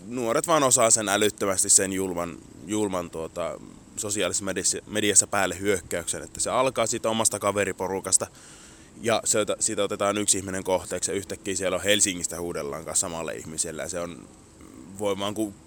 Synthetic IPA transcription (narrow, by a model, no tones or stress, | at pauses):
nuoret̪ʋɑːnosɑːsenælyt̪ːømæst̪issenjulmɑn | julmɑnt̪uot̪ɑ̰ | sosiɑlismedismediɑsːæpæːlːehyøkːæyksenḛt̪ːæseɑlkɑːsit̪omɑst̪ɑkɑʋeriporukɑst̪ɑ | jɑseot̪æsit̪ot̪et̪ɑːnyksihmineŋkoht̪eːksjɑyht̪ækːiːsielohelsiŋːist̪æhuːdelːɑ̰ːŋkɑ̰nssɑmɑlːɑ̰ḭhmiselːæ̰jɑ̰seon | ʋoiʋˑɑːŋku